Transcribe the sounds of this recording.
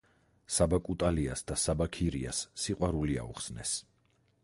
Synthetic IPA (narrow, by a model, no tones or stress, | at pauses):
sabakʼut̪ʼaliasd̪asabakʰiɾia̰sːiqʼwaɾulia̰ṵχsnɛs